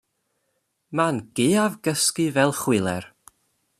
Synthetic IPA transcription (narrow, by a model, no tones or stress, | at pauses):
manɡ̥eːavɡəskɨvɛlˠχwɪlˠɛ̰r